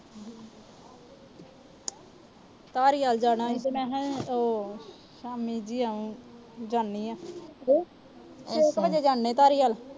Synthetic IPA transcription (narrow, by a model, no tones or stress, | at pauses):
t̪aːɾiːaːld͡ʒaːɽãːitemɛ̃ːɦɛ̃oː | ʃaːmiːd͡ʒiːaũː | d͡ʒaːɳniːãː | ɪkbəd͡ʒeːd͡ʒaːɳnẽːt̪aːɾiːaːl